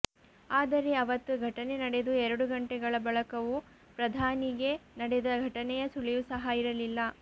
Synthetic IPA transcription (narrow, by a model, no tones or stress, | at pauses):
aːd̪ɐɾe̞ɐʋɐt̪ːuɡʱɐʈɐnenɐɽe̞d̪uɛɾɐɽuɡɐɳʈɛɡɐɭɐbɐɭɐkɐʋu | pɾɐd̪ʱaːniɡe̞nɐɽed̪ɐɡʱɐʈɐnɛjɐsuɭijusɐɦɐiɾɐlilːɐ